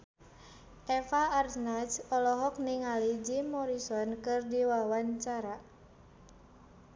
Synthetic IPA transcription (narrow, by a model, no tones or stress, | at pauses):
ʔɛfaːrsnat͡ʃɔlɔɦɔk̚niŋalid͡ʒimɔɾisɔnkɨrdiwawaɲt͡ʃaɾa